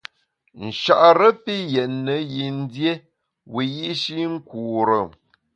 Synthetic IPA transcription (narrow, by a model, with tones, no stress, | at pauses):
n̩˨ʃa˨ʔɾə˦pi˦jɛ˨nːə˨˦ji˨n̩˦dje˦ | wi˨ji˦ʔʃi˦ŋ̩˦ku˨ɾə˨